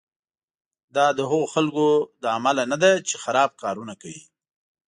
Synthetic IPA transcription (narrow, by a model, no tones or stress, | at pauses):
d̪ɑd̪əɦʊɣoxalkod̪əamalanad̪at͡ʃexaɾɑb̚kɑɾunakawḭ